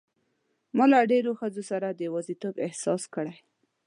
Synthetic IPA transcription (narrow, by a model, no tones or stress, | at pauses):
mɑlaɖeɾoxəzosaɾad̪əwɑzit̪obɪhsɑskəɽaj